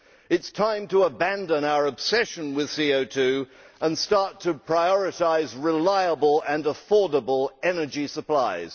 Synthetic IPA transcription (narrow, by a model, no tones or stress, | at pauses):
ɨtstʰãɪ̃mtəəbæ̃ndə̃naʊə˞əb̥sɛʃɨ̃nwɪð̥sioʊtʰʉə̃nstɑɹtʰɨpʰɹ̥aɪɔɹɨtaɪzɹɪlaɪəbəlˠə̃nəfɔɹdəbəlˠɛnə˞d͡ʒisəpl̥aɪz̥